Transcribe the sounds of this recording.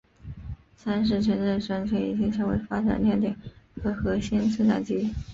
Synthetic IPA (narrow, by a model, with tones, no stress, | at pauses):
sa˥nʂ̬ɻ̩˥˩ʈ͡ʂʰə˧˥nʈ͡ʂə˥˩ʂɤ˧˥ŋt͡ɕʰɥɛ˧˥ḭ˨˩t͡ɕi˥ŋʂɑ˥ʊwḛ˧˥ɪfa˥ʈ͡ʂa̰˨˩nljɛ˥˩nt̪i˨˩˦ŋxɤ˧˥xɤ˧˥ɕi˥nt͡s̩ʰ˥˧t̪a̰˨˩t͡ɕi˧˥